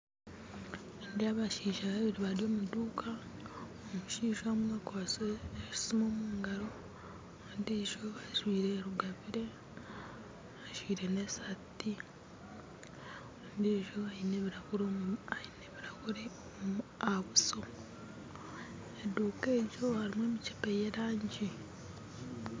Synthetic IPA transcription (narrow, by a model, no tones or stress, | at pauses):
indiaβaʃiːʃaββiɾiβaɾjo̞ːmuduːkʰa | omuʃiːʒamwakwaːseːʃi̥simo̞ːmuuːŋɡaɾo̞ | ndeʒo̞βaʃwiːɾeɾuɡaβiɾe̞ | aʃwiːɾe̞nesati | ndeʒo̞aineauɾoaineβiɾakuɾe | aβuso̞ | eduːke̞ːɟo̞haɾimweːmici̥pejeɾaːɲɟi